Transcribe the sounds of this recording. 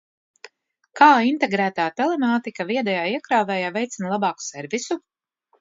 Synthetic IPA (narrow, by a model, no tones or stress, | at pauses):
kaːint̪eɡɾæːt̪aːt̪ɛlɛmaːt̪ikaviɛd̪ɛjaːiɛkɾaːvɛːjaːvɛjt̪sinlˠabɑːku̥sɛɾvisu